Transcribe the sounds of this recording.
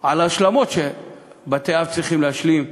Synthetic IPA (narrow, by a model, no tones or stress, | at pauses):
ʕalaʃlamo̞tʃe | bat̪eavt͡sʁiχimlehaʃlim